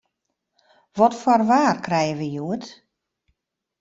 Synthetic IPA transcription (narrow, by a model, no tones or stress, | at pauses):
ʋɔtfwɔrʋaːrkrɛjəʋəjuət